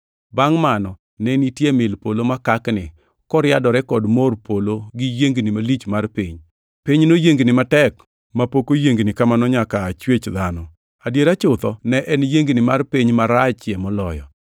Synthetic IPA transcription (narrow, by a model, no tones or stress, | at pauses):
baŋmanɔ | nɛnitjemɪlpolomakaknɪ | kɔɾɪjadɔɾɛkɔdmorpʰoloɡijeŋɡnɪmalit͡ʃmarpiɲ | piɲnojeŋɡnɪmatɛk | mapokojeŋɡnɪkamanɔɲakaːt͡ʃwet͡ʃðanɔ | adjeɾat͡ʃʊt̪ɔnɛʔɛnjeŋɡnɪmarpiɲmaɾat͡ʃjɛmɔlɔjɔ̰